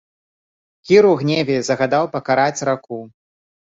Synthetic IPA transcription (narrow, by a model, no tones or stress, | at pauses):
kʲiɾuɣnʲevʲɛzɐɣad̪awpɐkaɾat͡sʲraku